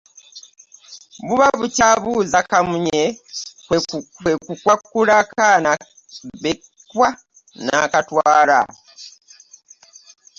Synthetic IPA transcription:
βuβaβucaβuzakamuɲekwewekukwakulakana | βe | kwa | na̰katwaːla̰

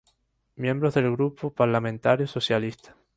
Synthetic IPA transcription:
mjẽmbɾozðelɣɾupopaɾlamẽnt̪aɾjososjalist̪ḁ

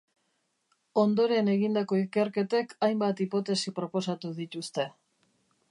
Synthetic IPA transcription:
o̞nd̪o̞ɾe̞ne̞ɣind̪ako̞ike̞ɾke̞t̪e̞kajmbat̪ipo̞t̪e̞sipɾo̞po̞sat̪uðit̪ust̪e̞

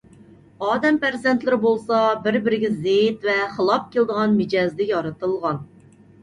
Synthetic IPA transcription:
ɑːd̪ɛmpæɾzɛnt̪lɪɾɪbolˠsɑbɪɾbɪɾɪɡʲɛzeit̪vɛχəlˠɑp̚kʲʰeld̪əʁɑnmɪd͡ʒɑzd̪ɪjɑɾɨt̪ɨlˠʁɑn

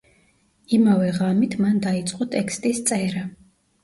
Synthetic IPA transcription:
imavɛʁamit̪ʰmand̪ait̪sʼqʼɔt̪ʼɛkʰst̪ʼist̪sʼɛɾa

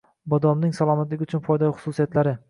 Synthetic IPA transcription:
bɒd̪ɒmnɪŋsalˠɒmat̪lɪɡʲʊt͡ʃʰʊnfɒjd̪aɪχʊ̥susijat̪laɾɪ

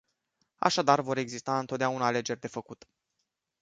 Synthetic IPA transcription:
a̰ʃad̪arvo̞ɾe̞ɡzist̪aɨnt̪ot̪̚d̪eaunaːle̞d͡ʒe̞rʲd̪e̞fəkut̪

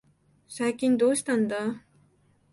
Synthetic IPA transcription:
sajkʲind̪ost̪and̪a

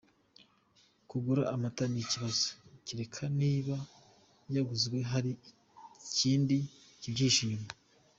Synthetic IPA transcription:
kuɡuɾaʔːmataniciβazo̥ciɾe̞kʰaniːβa | jaɡuzɡwe̞ɦaɾi | ciːndi | cibɟiːʃiːma

